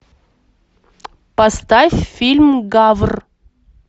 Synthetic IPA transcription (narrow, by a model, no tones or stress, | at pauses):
pɐst̪afʲfʲilʲmɡavr